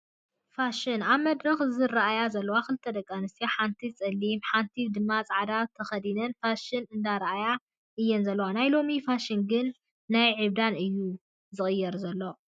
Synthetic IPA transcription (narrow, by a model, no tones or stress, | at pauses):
faʃɪnaβmɐd̪ɾɐxzɨɾaʔajazɐlːɐwakɨlt̪ʰɐd̪ɐkʼːanɨst̪ijaħant̪ʰit͡sʼɐlːimħant̪ʰid̪ɨmːat͡sʼaʕd̪at̪ʰɐxɐd̪inɐnfaʃɪnɨnd̪aɾʔaja | ʔɨjːɛnzɐlːɐwanajlo̞mifaʃɪnɡɨnː | ajʕɨβd̪anɨjːu | zɨxʼɨjːɛɾzɐlːo